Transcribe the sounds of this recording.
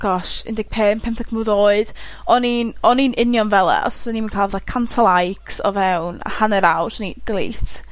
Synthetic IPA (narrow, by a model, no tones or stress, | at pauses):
ɡ̥ɔʃɪ̰ndɪɡ̥̚pʰeːmpʰɛmθɛkʰmuðoːɨd̥ | ɔninɔninʔɪnjɔnvɛlˠɛ̰sniminkʰaːlˠvðakʰantʰalˠajksɔ̰vɛwna̰hanɛɾawdɔnid̥ɪlˠḭtʰ